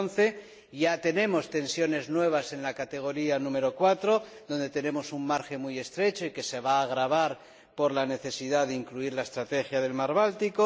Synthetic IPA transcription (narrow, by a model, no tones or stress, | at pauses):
nθe̞ | ʝat̪e̞nẽ̞mo̞st̪e̞nsjo̞ne̞znwe̞β̞ase̞nlakat̪e̞ɣ̞o̞ɾianũme̞ɾo̞kwat̪ɾo̞ðo̞nd̪e̞t̪e̞ne̞mo̞summaɾxe̞muje̞st̪ɾe̞t͡ʃo̞ike̞se̞β̞aːɣ̞ɾaβ̞aɾ | po̞ɾlane̞θe̞siðaðeiŋkluiɾlae̞st̪ɾat̪e̞xjaðe̞lmaɾβalt̪iko